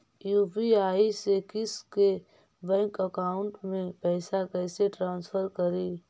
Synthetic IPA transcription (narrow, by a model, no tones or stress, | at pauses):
juːpiaːisekɪske | bɛ̃ːŋkəkaːʊ̃ɳʈmẽpɛːsakɛːseʈɾãːnsfʰəɾkəɾiː